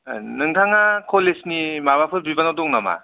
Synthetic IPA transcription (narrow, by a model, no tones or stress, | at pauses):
nɯŋtʰaŋakʰɔlesnimabapʰɯɾbibanawdɔŋnama̰